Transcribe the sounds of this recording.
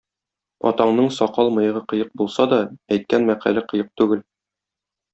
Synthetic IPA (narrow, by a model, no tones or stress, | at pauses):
ɒ̰t̪ɑɴnɤɴsɒqɑlˠmɤ̆jɤ̆ʁɤqɤ̆jɤq̚bulˠsɑd̪ɒæjt̪̚kænmæqæ̰lɘqɤ̆jɤq̚t̪ʉɡɘl